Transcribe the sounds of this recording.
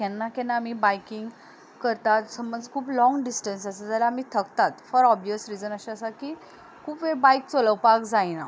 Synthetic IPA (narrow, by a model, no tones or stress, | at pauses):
kanːakɛ̃nːaːmibajkiŋɡ | kəɾt̪at̪səmbənd͡zkʰuːplɔ̃ŋɡɖisʈənsəsad͡z̪alaːmiːt̪ʰəkt̪at̪fɔɾɔbʋjəsɾid͡zənəɕaəsakiː | kʰuːpʋebajk̚t͡soləwpakd͡zajna